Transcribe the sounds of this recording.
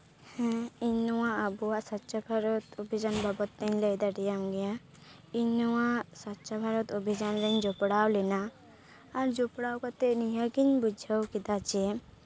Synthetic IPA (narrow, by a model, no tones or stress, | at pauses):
hɛ̃iɲɔwaʔəbuwaʔsɔtːt͡ʃʰɔbʱaɾɔt̪ubʱid͡ʒanbʱabɔt̪ːɛɲləjd̪aɾɛjamɡɛja | iɲɔwaʔsɔtːʃʰɔbʱaɾɔt̪ubʱid͡ʒanɾɛɲd͡ʒɔpɽawlɛnaː | ɾd͡ʒupɽawkɔt̪ɛniɦəɡiɲbud͡ʒʱəwkid̪at͡ʃɛ